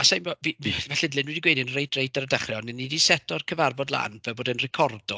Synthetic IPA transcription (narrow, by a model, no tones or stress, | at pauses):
asajmvɔvivɛɬɪdlɪnwidiɡwejdinrejdrejdaɾədaχrjɔnɛnːidisɛtʰɔrkʰəvarbɔdlˠa̰nvɛboːdənrɛkʰɔrd̥ɔ